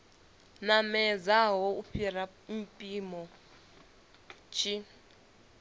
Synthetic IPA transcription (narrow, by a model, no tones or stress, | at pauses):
namɛd͡zaɦɔuɸʰiɾa | mpʼimɔ | t͡ʃʰʼi